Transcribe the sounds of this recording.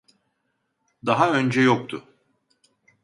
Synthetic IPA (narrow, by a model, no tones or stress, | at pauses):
d̪aɦaø̞nd͡ʒɛjo̞k̚t̪ʰʊ